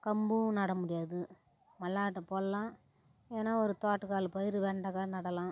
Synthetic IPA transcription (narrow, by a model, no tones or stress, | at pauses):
kɐmbɯ̃nɐɽɐmʊɽɪjaːðɯ | mɐlːaːʈːɐpoːlɐlãː | eːnːaːɔɾɯt̪aːʈːɯkaːlɯpɐjɪɾɯʋeːɳɖɐkaːnɐɽɐlãː